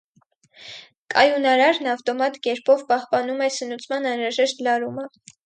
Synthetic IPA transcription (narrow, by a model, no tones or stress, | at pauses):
kʰɑjunɑɾɑɾnɑft̪ɔmɑt̪kɛɾpʰɔvpɑhpɑnumɛsənut͡sʰmɑnɑnɾɑʒɛʃt̪lɑɾumə